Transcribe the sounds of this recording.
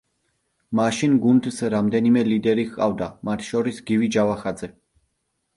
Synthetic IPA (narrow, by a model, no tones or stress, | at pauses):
maʃinɡund̪sɾamd̪ɛnimɛlid̪ɛɾiɣqʼa̰vd̪amat̪ʰʃɔɾisɡivid͡ʒavaχad̪zɛ